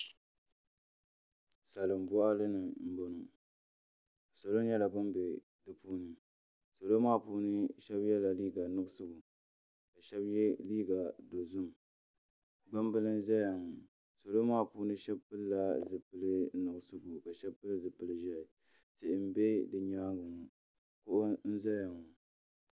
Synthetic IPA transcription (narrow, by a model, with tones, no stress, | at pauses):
sa˨lɨ˨m˨bʊ˦ʔa˦lɨ˦nɨ˨m̩˦bo˨nʊ˨ | so˨lo˦ɲɛ˦la˨bɨ˦mbe˨ | dɨ˨puː˦nɨ˨ | so˨lo˦maː˦˨puː˦nɨ˦ʃɛ˦bjɛ˦la˨liː˦ɡa˨nɨ˦ɡʊ˦sɨ˦bu˨ | ka˨ʃɛ˦bjɛ˦liː˦ɡa˨do˨zʊ˦m | ba˦m˦bɨ˦lɨ˦n˦za˦ja˨ŋʊ˨ | so˨lo˦maː˦˨puː˦nɨ˦ʃɛ˦bpɨ˦lla˦zɨ˨pɨ˨lɨ˦nʊ˨ɡʊ˦sɨ˦bu˨ka˨ʃɛ˦bpɨ˦lɨ˦zɨ˨pɨ˨lɨ˦˨ʒa˦˨ɪ˨ | tɪ˨ʔɪ˨m̩˦be˦dɨ˨ɲaː˦ɡʊ˨ŋu˨ | kʊ˦ʔʊ˦n̩˦za˦ja˨ŋʊ˨